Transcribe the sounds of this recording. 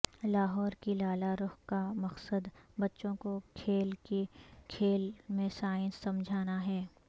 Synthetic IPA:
laːɦɔːɾkilaːlaɾʊxkamɐqsəd̪bɐtːʃõkokʰeːlkekʰeːlmẽsaːɪnsɐ̃md͡ʒʱaːnaɦɛː

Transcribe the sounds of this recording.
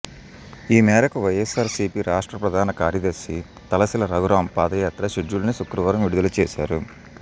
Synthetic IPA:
iːmɛːɾɐkuʋɐjesaːɾsiːpiɾaːʂʈɾɐpɾɐd̪ʱaːnɐkaːɾjɐd̪ɐɾsi | t̪ɐlɐsilɐɾɐɡɾaːmpaːd̪ɐjaːt̪ɾɐʃiɖːulɐnisukɾɐʋɐɾɐmʋiɽud̪ɐlut͡ʃɛːʃaːɾu

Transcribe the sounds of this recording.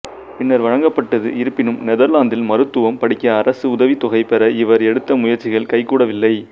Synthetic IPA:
pɪnːɐɾʋɐɻɐŋɡɐpːɐʈːɐðɯ̰ʔɪɾɯpːɪnɯmnɛðɐɾlaːnd̪ɪlmɐɾɯt̪ːɯʋɐmpɐɽɪkːɐːɾɐsɯʊðɐʋit̪ːɔɣɐɪpɛɾɐɪʋɐɾɛɽɯt̪ːɐmʊjɐɾt͡ʃːɪɣɐɭkɐɪkːuːɽɐʋɪlːɐɪ

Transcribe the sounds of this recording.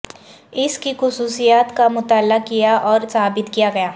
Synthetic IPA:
ɪskixʊsuːsijaːt̪kamʊt̪aːlːakijaʔɔːɾsaːbɪt̪kijaɡɐjaː

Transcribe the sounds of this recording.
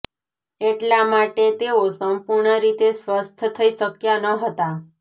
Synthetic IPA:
eʈlamaʈet̪eosəmpuɾɳəɾit̪esʋəst̪ʰət̪ʰəiʃəkjanəɦət̪a

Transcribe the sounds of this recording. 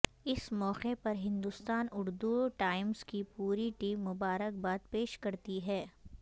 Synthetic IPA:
ɪsmɔːqepɐɾɦɪ̃nd̪ʊst̪aːnʊɾd̪uʈaːɪmz̥kipuːɾiʈiːmːʊbaːɾək̚baːd̪peːʃkɐɾt̪iɦɛː

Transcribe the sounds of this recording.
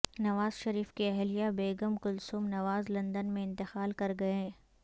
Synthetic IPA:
nɐʋaːzʃɐɾiːfkeɛɦlijabeːɡəmkʊlsumnɐʋaːzlɐ̃nd̪ənmẽɪ̃nt̪ɪxaːlkɐɾɡɐẽː

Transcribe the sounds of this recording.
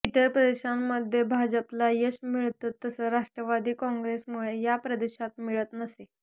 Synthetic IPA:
it̪əɾpɾəd̪eɕamːəd̪ʱːjebʱad͡ʑəplajeɕmiɭt̪at̪ːəsəːɾaʂʈɾəʋad̪iːkɔ̃ŋɡɾesmuɭejapɾəd̪eɕat̪miɭət̪nəse

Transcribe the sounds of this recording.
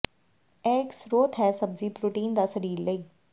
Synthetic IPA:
ɛːɪksɾoːt̪ɦɛːsəbziːpɾuːʈiːnd̪aːsəɾiːɾləiː

